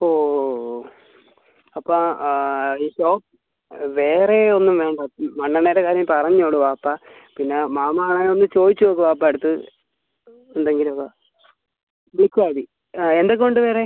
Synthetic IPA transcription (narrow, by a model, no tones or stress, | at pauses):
oː | ɐpːo | iːɕo̞ːp̚ | ʋe̞ːre̞o̞nːumʋe̞ːɳɖɐmɐɳːɐɳɐjɾekaːɾjɐmpɐrɐɲːoːɽɨʋaːpːa | pinːemaːmɐaːɳajonːɨt͡ɕo̞ːðit͡ɕːuoːk̬ːɨʋaːp̬ːaeɽut̪ːɨ | end̪eŋɡilumɐkːa | ʋiɭikʲːuaːɽi | end̪ek̬ːo̞ɳɖɨʋe̞ːre